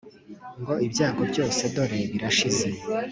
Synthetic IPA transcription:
ŋɡo̞ʔibjaːɡo̞bjo̞ːse̞do̞ɾe̞βiɾaʃize̞

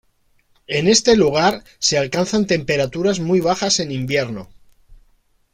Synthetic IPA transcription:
e̞ne̞st̪e̞luɣ̞aɾ | se̞alkanθant̪e̞mpe̞ɾat̪uɾazmujβ̞axase̞nĩmbje̞ɾno

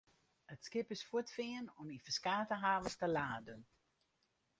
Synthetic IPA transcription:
ətskɪpɪsfuətfɪənɔmifəskaːtəɦaːvətəlaːdən

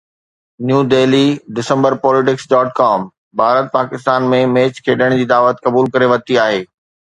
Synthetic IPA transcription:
njuːd̪eːliɖɪsə̃mbəɾpɔːlɪʈ̬ɪksɖɔːʈkaːm | bʱaːɾət̪̚paːkɪst̪aːnmẽmeːt͡ɕkʰeːɗəɽ̃d͡ʑiːd̪aːʋət̪kɐbuːlkɐɾeʋɐt̪iaːɦeː

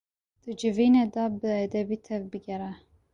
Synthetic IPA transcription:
d̪̥ɨd͡ʒɨviːned̪ɑbɨɛd̪ɛbiːt̪ʰɛvbɨɡʲɛɾɛ

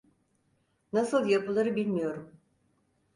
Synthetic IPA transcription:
nasɯlˠjapɯlˠaɾɯbilʲmijo̞ɾum

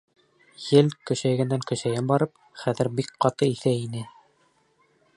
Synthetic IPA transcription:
jɘlkɵ̆ʃæjɡænd̪æŋkɵ̆ʃæjænbɑɾɤp̚ | χæðɘ̆ɾbik̚qɑt̪ɤiθæinɘ

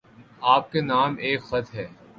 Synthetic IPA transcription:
aːp̚kenaːmeːkxɐt̪ɦɛː

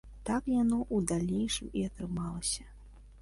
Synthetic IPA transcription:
t̪akjanɔʔud̪alʲnejʂɨmiɐt̪ɾɨmalˠɐsʲɐ

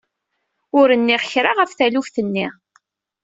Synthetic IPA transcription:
ʊɾənːiʁçɾaʁəfθælufθənːi

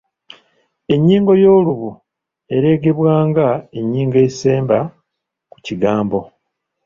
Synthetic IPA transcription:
e̞ɲːiːŋɡo̞jo̞ːluβu | e̞ɾe̞ːɡe̞βwaːŋɡae̞ɲːiːŋɡe̞se̞ːmba | ku̥ciɡaːmbo̞

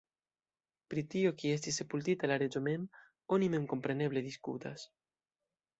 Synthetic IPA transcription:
pɾit̪iokiest̪isepult̪it̪alaɾed͡ʒomem | onimeŋkompɾeneβleðiskṵt̪a̰s

